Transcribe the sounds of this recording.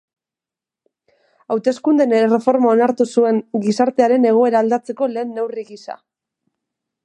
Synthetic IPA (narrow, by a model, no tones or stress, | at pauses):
awt̪e̞skund̪enerefo̞ɾmao̞naɾt̪usue̞ŋɡisaɾt̪e̞aɾe̞ne̞ɣ̞o̞e̞ɾaːld̪at͡se̞ko̞le̞ːnːe̞wriɣisa̰